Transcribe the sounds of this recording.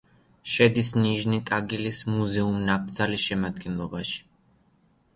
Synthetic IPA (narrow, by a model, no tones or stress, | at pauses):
ʃɛd̪isniʒnit̪ʼaɡilismuzɛumnak̚ʼʰd̪zalisʃɛmad̪ɡɛnlˠɔbaʃi̥